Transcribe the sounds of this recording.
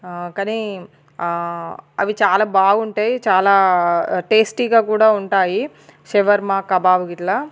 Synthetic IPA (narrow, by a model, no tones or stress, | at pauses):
kaːni | ɐ̰ʋit͡ʃaːlaːbaːɡuɳʈaːjit͡ʃaːlaːʈeːsʈiːɡaːkuːɽaːuɳʈaːji | ʃɛʋɐɾmaːkɐbaːʋuɡiʈlaː